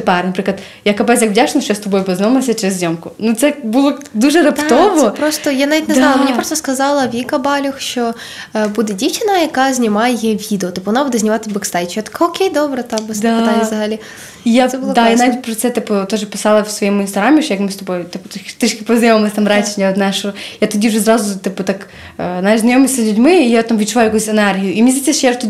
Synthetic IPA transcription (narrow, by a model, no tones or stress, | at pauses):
t̪ɨpaɾnɐpɾɨklˠət̪ | jakːɐpajsjakvʲdʲaʂɪnɐʃt͡ʃɔjast̪ɐbojpɐznʲomɐsʲɐt͡ʃɪɾɪzʲzʲomkʊnut̪sɛbulˠɔd̪uʐɨɾɐpt̪t̪ovɔpɾost̪ɔjanaʋʲitʲnznalˠɐmɪnʲipɾost̪ɔskɐzɑlˠɐʋʲikɐbɑlʲɔxʃt͡ʃɔ | bud̪ɛdʲit͡ʃɪnɐjɐkazʲnʲɪmajɛʋʲid̪eɔt̪ɨpʊʋɔnabud̪ɛzʲnʲɪmat̪ɪbɐkst̪ajt͡ʃjat̪ɐ̥kaɔkʲejd̪obɾɐt̪abɨsd̪at̪anʲzɐɦɐlʲi | ijasɛbulˠɔd̪ajanaʋʲit̚ʲpɾɔt̪sɛt̪ɨpʊt̪oʐɨpʲɪ̥sɑlˠɐfsvɐjemʊɪnst̪ɐɣɾamʲɪʃɔjakmɨst̪ɔbojt̪ipʊt̪t̪ɨʃkʲɪpɐzɐjoməsʲt̪amɾat͡ʃɪjat̪zajɛʂjat̪ɔdʲiʊʐɛzɾazʊt̪ɨpɐt̪akː | znajɛʂznɐjomʲɪsʲlʲʉdʲmɪːjat̪amvʲit̪t͡ʃʊʋaʊjɐkusʲɛnɛrɦʲijʊʔimnʲzʲetʲsʲɛʃjat̪ʲ